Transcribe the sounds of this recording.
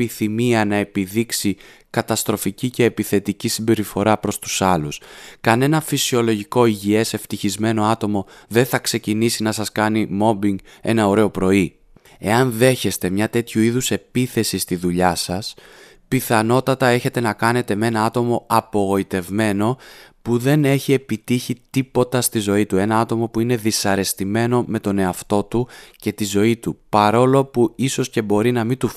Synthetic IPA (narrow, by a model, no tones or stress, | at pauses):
iθimiɐnɐe̞piðiksikɐt̪ɐst̪ɾo̞ficice̞ːpiθe̞t̪icisimbe̞ɾifo̞ɾɐpɾo̞st̪u̥sɐluskɐne̞nɐfisio̞lo̞ʝiko̞iʝie̞seft̪içizme̞no̞ɐt̪o̞mo̞ðe̞θɐkse̞cinisinɐsɐskɐnimo̞biŋɡe̞nɐo̞ɾe̞o̞pɾo̞i | e̞ɐnðe̞çe̞st̪e̞mɲɐt̪e̞t̪çuiðuse̞piθe̞sist̪iðuʎɐsɐs | piθɐno̞t̪ɐt̪ɐe̞çe̞t̪e̞nɐkɐne̞t̪e̞me̞nɐɐt̪o̞mo̞ɐpo̞ɣo̞it̪e̞vme̞no̞puðe̞ne̞çie̞pit̪içit̪ipo̞t̪ɐst̪izo̞it̪ue̞nɐɐt̪o̞mo̞puine̞ðisɐɾe̞st̪ime̞no̞me̞t̪o̞ne̞ɐft̪o̞t̪uce̞t̪izo̞it̪upɐɾo̞lo̞puiso̞sce̞bo̞ɾinɐmit̪u